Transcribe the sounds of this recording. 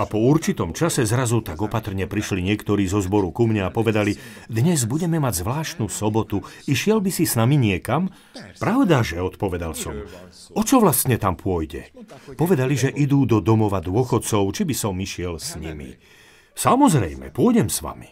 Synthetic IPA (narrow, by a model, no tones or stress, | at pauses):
apɔuɾt͡ʃit̪ɔmt͡ʃasɛzɾazut̪aɡɔpat̪r̩ɲɛpɾiʃliɲɪɛkt̪ɔɾiːzɔzbɔɾukumɲɛapɔʋɛd̪ali | d̪ɲɛzbuɟɛmɛmaɟzʋlaːʃt̪nuːsɔbɔt̪uiʃɪɛlbisisnamiɲɪɛkam | pɾaʊd̪aʒɛɔt̪pɔʋɛd̪alsɔ̰m | ɔt͡ʃɔʋlast̪ɲɛt̪ampʊɔjɟɛ̰pɔʋɛd̪aliʒɛʔid̪uːd̪ɔd̪ɔmɔʋad̪ʊɔxɔt̪t͡sɔʊt͡ʃibisɔmiʃɪɛlsɲḭmḭ | samɔzɾɛjmɛ̰pʊɔɟɛmsʋa̰mi